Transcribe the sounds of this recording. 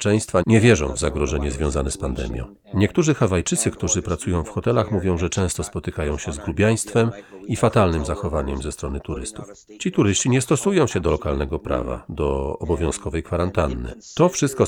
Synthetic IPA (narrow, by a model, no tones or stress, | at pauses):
t͡ʂɛ̃w̃st̪faɲɛvʲjɛʐɔ̰̃w̃vzaɡɾɔʐɛɲɛzvʲjɔ̃w̃zanɛspand̪ɛ̰mʲjɔ̰̃w̃ | ɲɛk̚t̪uʐɘxavajt͡ʂɘt̪sɘkt̪uʐɘpɾat̪sujɔ̃w̃fxɔt̪ɛlaxmuvʲjɔ̃w̃ʐɛt͡ʂɛ̃w̃st̪ɔspɔt̪ɘkajɔ̃w̃ɕɛzɡɾubʲjaj̃st̪fɛmifat̪alnɘmzaxɔvaɲɛmzɛst̪ɾɔnɘt̪uɾɘ̰st̪uf | t͡ɕit̪uɾɘst͡ɕiɲɛst̪ɔsujɔ̃w̃ɕɛd̪ɔlɔkalnɛɡɔpɾa̰va̰d̪ɔːbɔvʲjɔ̃w̃skɔvɛjkfaɾant̪anːɘ̰t̪ɔfʂɘst̪kɔ